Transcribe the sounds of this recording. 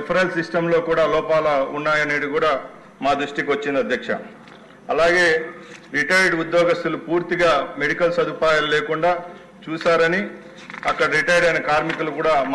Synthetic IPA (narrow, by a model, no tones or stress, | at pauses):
pʰɐɾɐlsisʈɐmlo̞ːkuːɽaːlɔːpaːlɐunːaːjɐneːɽikuːɽaː | maːd̪ɾuʂʈikʋɐt͡ʃːind̪iɐd̪ʱjɐkʂɐ̰ | ɐlaːɡe̞ːɾiʈɐjɾɖud̪jɔːɡɐst̪ulupuːɾt̪iɡaːmeɽikɐlsɐd̪ʱupaːjɐlleːkuɳɖaː | t͡ʃuːsaːɾɐni | ɐkːɐɽɐɾiʈɐjɖɐjnɐkaːɾmikulukuːɽaːm